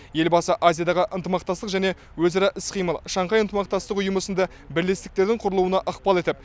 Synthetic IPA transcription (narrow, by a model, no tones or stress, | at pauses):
je̞lbɑsəʔazijad̪ɑʁəʔənt̪əmɑq̚t̪ɑst̪əqʒæne̞ | wɵzɑɾɑʔɪsqʰijməlˠʃɑɴqɑjənt̪əmɑq̚t̪ɑst̪əqʊjəməsənd̪ɑ | bɪɾle̞st̪ɪk̚t̪e̞ɾd̪ɪɴqʰʊɾəlˠuwənɑʔəqpɑlˠe̞t̪ɪp̚